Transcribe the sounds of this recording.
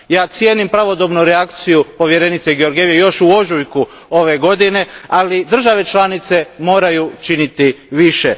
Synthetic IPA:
jaːt̪sje̞ːnimpɾaʋo̞d̪obnuɾeakt̪sijupo̞ʋje̞ɾe̞nit̪se̞ɡeo̞ɾɡeʋjejo̞ʃuo̞ʒujku | o̞ʋe̞ɡo̞d̪ine̞alid̪r̩ʒaʋe̞t͡ʃlˠanit̪se̞mo̞ːɾajut͡ʃinit̪iʋiʃe

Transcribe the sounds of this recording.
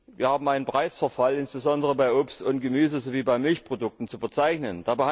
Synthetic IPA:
viːɐhaːbm̩ʔaɪnənpʁ̥aɪsfɛɐfalɪnsb̥əzɔndəʁəbaɪʔʊpstʊnt̚ɡ̥əmyːzəzoviːbaɪmɪlçpʁ̥odʊk̚tn̩t͡sufɛɐt͡saɪçnənd̥aːbə

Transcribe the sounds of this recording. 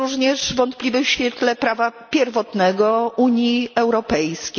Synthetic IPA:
uʐɲɛʂvɔnt̪̚plʲivɛɕfʲjɛt̪lɛpɾavapʲjɛɾvɔt̪nɛɡɔuɲjiɛwɾɔpɛjskʲe

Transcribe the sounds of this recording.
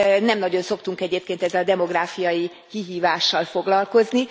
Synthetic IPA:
nɛmnɒɟo̞nso̞kt̪uŋkɛɟeːp̚keːnt̪ɛzːɛlɒd̪ɛmo̞ɡraːfijɒji | kiɦiːvaːʃːɒlfo̞ɡlɒlko̞zni

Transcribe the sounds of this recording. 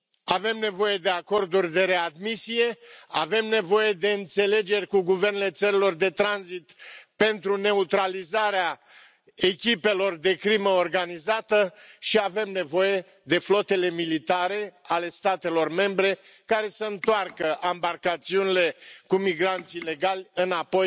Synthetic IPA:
ave̞mne̞vo̞je̞d̪e̞ako̞rd̪urʲd̪e̞ɾe̞ad̪misije̞ave̞mne̞vo̞je̞d̪e̞ɨnt̪se̞le̞d͡ʒe̞rʲkuɡuve̞rnele̞t̪səɾilo̞rd̪e̞t̪ɾanzit̪pe̞nt̪ɾune̞ut̪ɾalizaɾea | e̞kʲipe̞lo̞rd̪e̞kɾiməorɡanizat̪əʃiave̞mne̞vo̞je̞ | d̪e̞flo̞t̪e̞le̞milit̪aɾe̞ale̞st̪at̪e̞lo̞rme̞mbɾe̞ | kaɾe̞səɨnt̪oarkəʔambarkat̪siunile̞kumiɡɾant̪sile̞ɡalʲɨnapo̞j

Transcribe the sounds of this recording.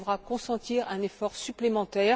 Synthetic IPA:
vʁakɔ̃sɑ̃t̪iʁɛ̃nefɔʁsyplemɑ̃t̪ɛːʁ

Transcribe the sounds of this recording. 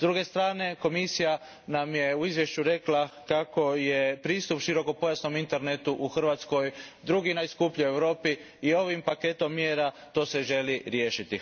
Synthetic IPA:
zd̪ɾuɡe̞st̪ɾaːne̞ko̞misija | namjeuizʋje̞ʃt͡ɕuɾe̞klakako̞jepɾiːst̪upʃiɾo̞ko̞po̞jasno̞mint̪e̞ɾnet̪uʔuxr̩ʋat̪sko̞jd̪ɾuɡinaiskupʎue̞wɾo̞ːpiː | o̞ʋimpake̞t̪o̞mːjeːɾa | t̪o̞ːse̞ʒe̞liɾjeːʃit̪i

